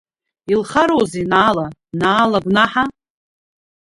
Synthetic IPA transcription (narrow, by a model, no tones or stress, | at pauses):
ilχaɾowzenaːlanaːlaɡʷnaħa